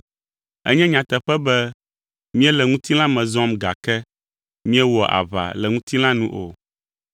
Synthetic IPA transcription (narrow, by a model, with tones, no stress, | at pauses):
ɛ̰˦ɲɛ̃˦ɲã˨t̪ɛ˨ɸɛ˦bɛ˦ | mĩ˦ɛ˦lɛ˨ŋũ˦t̪i˦l̃ã˦mɛ̃˨zɔ˦mɡa̰˨kɛ˦ | mĩ˦ɛ˦wɔ˨ʔa̰˨βa̰˨lɛ˨ŋũ˦t̪i˦l̃ã˦nũ˦ʔo˨